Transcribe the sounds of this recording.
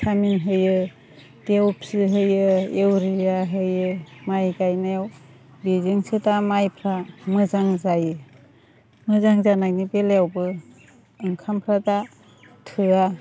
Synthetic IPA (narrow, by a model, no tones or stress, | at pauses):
sʰaminɦɯjɯ | d̥ewpʰsiɦɯjɯewɾijaɦɯjɯmajɡajnajw | bizɯŋsɯtamajpʰɾamɯzaŋzajɯ | mɯzaŋzanak̚nibeleawbɯː | ŋkʰampʰɾada | tʰɯa